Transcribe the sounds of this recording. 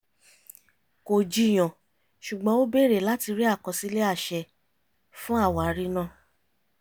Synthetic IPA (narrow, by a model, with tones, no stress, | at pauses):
ko˨d͡ʒi˧˨j̃ɔ̃˨ | ʃu˨ɡ͡bɔ̃˨˦o˦be˦˨ɾe˨la˦ti˧ɾi˦a˦˨kɔ̃˨si˧˦le˦a˦˨ʃɛ˧ | fũ˦a˦˨wa˨˦ɾi˦nã˦˨